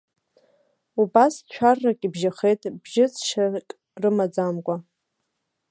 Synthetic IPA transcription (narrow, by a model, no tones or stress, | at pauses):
ubast͡ʃʷʰarːakʲʼibʒaχe̞jtʼbʒɪt͡sʰʃakʼ | rɨmad͡zamkʷʼa